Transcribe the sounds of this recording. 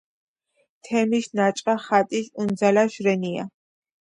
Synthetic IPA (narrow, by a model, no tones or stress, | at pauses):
t̪ʰɛmisnat͡ʃʼqʼaχat̪ʼisund̪zalaʃɾɛnia̰